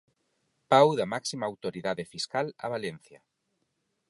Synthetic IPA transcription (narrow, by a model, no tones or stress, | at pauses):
pawðamaksimaːwt̪oɾiðaðefiskala̰βalen̟θjɐ